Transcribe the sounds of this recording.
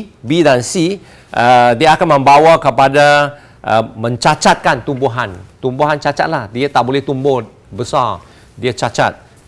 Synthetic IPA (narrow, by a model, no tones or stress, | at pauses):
bidansi | ʔədiəakanmə̃mbawakəpada | ʔəmə̃ɲt͡ʃat͡ʃat̪̚kant̪umbuɦãnt̪umbuɦant͡ʃat͡ʃa̰t̪̚lahdiat̪aʔbolɛht̪umbot̚ | bəsa | diət͡ʃat͡ʃa̰t̪̚